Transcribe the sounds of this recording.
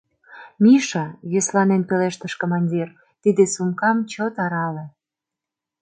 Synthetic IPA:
miʃɑjøslɑnenpeleʃt̪əʃkomɑnʲdʲir | t̪id̪esumkɑmt͡ɕot̪ɑɾɑlĕ

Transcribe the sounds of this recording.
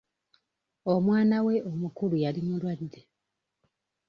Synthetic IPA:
omwaːnawe̞ʔomukulujalimulwadde

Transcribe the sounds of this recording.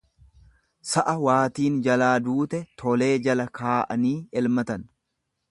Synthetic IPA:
sɐʔɐwaːt̪iːnd͡ʒɐlaːd̪uːt̪ɛt̪ʰɔle̞ːd͡ʒɐlɐkʰaːʔɐniːɛlmɐt̪ɐn

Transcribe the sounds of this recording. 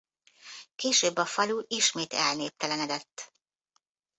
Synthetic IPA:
keːʃøːbːɒfɒluʔiʃmeːt̪ɛlneːp̚t̪ːɛlɛnɛd̪ɛt̪ː

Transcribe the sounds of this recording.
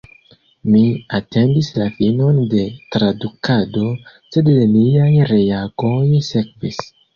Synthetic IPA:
miatʰe̞ndislafino̞nde̞tɾadukado̞sedeniajɾe̞aɡojsekvis

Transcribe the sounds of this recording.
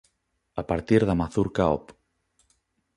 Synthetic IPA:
apaɾt̪iɾðamaθuɾkaɔ̰p

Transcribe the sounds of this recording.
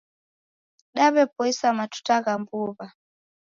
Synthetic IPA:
ɗaβɛpɔisamatu̥taɣambuβa

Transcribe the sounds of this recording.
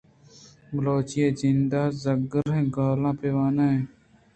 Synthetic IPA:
bloːt͡ʃjeːzɪnd̪aːzəɡəɾɦẽːɡaːlãːpeːʋaːnaːẽ

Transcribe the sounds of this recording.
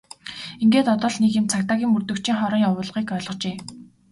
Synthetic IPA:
iŋɡeːt̪ɔt̪ɞ̆ɮnekɪmt͡sʰak̚t̪aːɣʲiːŋɵrt̪ɵ̆kt͡ɕʰĭːŋχɔɾɞ̆ŋjawʊːɮʁiːkœːɮɞ̆qt͡ɕeː

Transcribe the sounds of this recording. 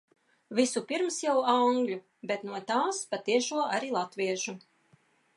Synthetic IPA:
visupiɾmsjawaŋɡlʲu | bet̪nuɔt̪aːspat̪iɛʃuɔaɾilˠat̪viɛʒu

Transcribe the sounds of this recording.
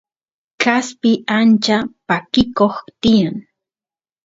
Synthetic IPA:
kaspɪant͡ʃapakɪkoχt̪ɪjaŋ

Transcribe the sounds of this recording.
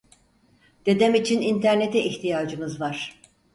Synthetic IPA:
d̪̥e̞d̪ɛmit͡ʃʰinint̪ʰæɾne̞t̪ɛʔiçt̪ʰijaːd͡ʒɯmɯzvaɾ̥

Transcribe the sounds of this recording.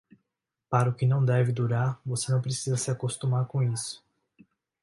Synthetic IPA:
paɾɐʊkɪnɐ̃w̃d̪ɛvɪd̪uɾaɾvosenɐ̃w̃pɾesizɐsɪakost̪ũmaɾkõisʊ̥

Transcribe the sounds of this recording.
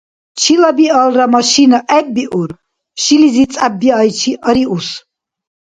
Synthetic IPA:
t͡ʃʰilabialramaʃinaʔɛbːiʔuɾ | ʃilizit͡sʼabːiajt͡ʃʰiʔəɾius

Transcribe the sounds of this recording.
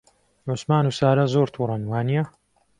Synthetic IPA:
ʕʊsmaːnuːsaːɾɐzoːɾt̪ʰuːrˤɐnwaːnijɐ

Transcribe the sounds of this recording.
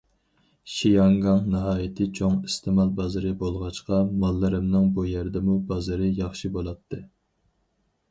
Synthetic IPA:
ʃijɑŋɡɑŋnɨɦɑːjɪt̪ʰɨt͡ʃʰoŋist̪ʰɨmɑlˠbɑzɨɾɨbolˠʁɑt͡ʃqɑmɑlˠːɨɾɨmnɨŋbujæɾd̪ɛmubɑzɨɾɨjɑχʃibolˠɑt̪ʰːɨ

